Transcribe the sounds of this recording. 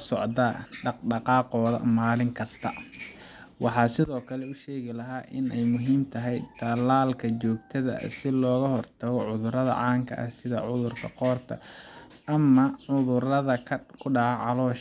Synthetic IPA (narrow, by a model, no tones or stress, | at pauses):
sɔʕd̪ɐɖɑɑqɑːqɔːðɐ̰maːlɪŋkʰɐst̪ʰɐ̰ | wʔɑħɑːsɪðɔːkʰɐlɛʊʃɛːɣɪlɐɦaːʔɪnɛjmʊɦiːmt̪ʰɐɦɛjt̪ʰɐlaːlkʰɐt͡ʃɔːɡt̪ʰɐðɐ̰sɪlɔːɣɐhɔrt̪ʰɐɣɔʕʊðʊɾɐðɐ̰ʕɑːŋkʰɐ̰ʔɐsɪðɐʕʊðʊrkʰɐ̰qɔːrt̪ʰɐ̰ | ʔɐmɐʕʊðʊrɐðɐkʰʊɖɑʕɑʕɑlɔːʃ